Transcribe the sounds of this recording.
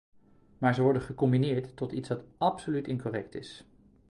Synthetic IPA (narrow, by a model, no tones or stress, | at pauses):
maːɹzəʋɔɹdənχəkɔmbinɪːɹtːɔtitsʋɑtɑpsolytɪnkɔrɛktɪ̰s